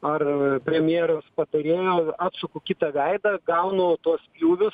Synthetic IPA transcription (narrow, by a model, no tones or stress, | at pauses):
ɐrpʲɾʲɛmʲjeːɾoːspɐt̪ɐɾʲeːjoːɑːt̪sʊkʊkʲɪt̪ɐɡɐɪd̪ɐɡɐʊnoːt̪uɔspʲjuːʋʲʊs